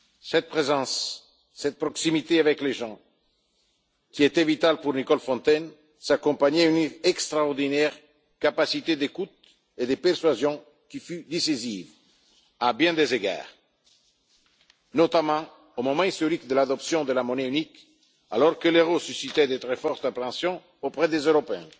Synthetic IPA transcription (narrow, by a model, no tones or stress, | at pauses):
sɛt̪̚pʁezɑ̃sː | ɛt̪̚pɾɔksimit̪eavɛkleʒɑ̃ | kʲiet̪ɛvit̪alpuɾnikɔlfɔ̃nt̪ɛn | sakɔ̃paɲɛyneɛkst̪ɾaɔʁd̪inɛʁ | kapasit̪ed̪ekut̪̚ | ed̪əpɛɾsɥazjɔ̃ | kifyd̪isiziv | abjɛ̃d̪ezeɡa̰ːʁ | not̪amɑ̃ | omõmɑ̃ist̪oɾikd̪əlad̪ɔpsjɔ̃d̪əlamonɛynik | a̰lɔɾkəleʁosysit̪ɛd̪ət̪ɾɛfɔɾt̪apɾɑ̃sjɔ̃ | opʁɛd̪ezøɾopeɛ̰̃